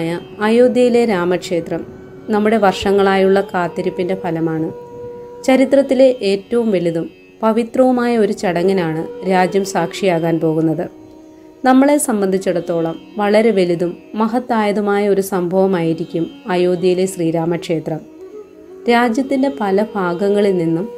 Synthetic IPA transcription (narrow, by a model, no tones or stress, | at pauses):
jɐ | ɐjo̞ːd̪jɐjile̞ɾaːmɐkʂe̞ːt̪rɐm | nɐmːuɽe̞ʋɐrʂɐŋːɐɭaːjuɭːɐkaːt̪ːɐɾipːinde̞pʰɐlɐmaːɳɨ | t͡ɕɐɾit̪rɐt̪ːile̞ʔeːtːɐʋumʋe̞liðum | pɐʋit̪rɐʋumaːjɐo̞ɾut͡ɕɐɽɐŋːinaːɳɨɾaːd͡ʑjɐmsaːkʂijaːɣaːnpo̞ːɣun̪ːɐðɨ | nɐmːɐɭe̞sɐmbɐnd̪ʱit͡ɕːuɽɐt̪ːo̞ːɭɐmʋɐɭɐɾe̞ʋe̞liðumːɐɦɐt̪ːaːjɐðɐmaːjɐo̞ɾusɐmbʱɐʋɐmaːjiɾikʲːumɐjoːd̪ʱjɐjile̞ɕriːɾaːmɐkʂe̞ːt̪rɐm | ɾaːd͡ʑjɐt̪ːinde̞pɐlɐbʱaːɡɐŋːɐɭilninːum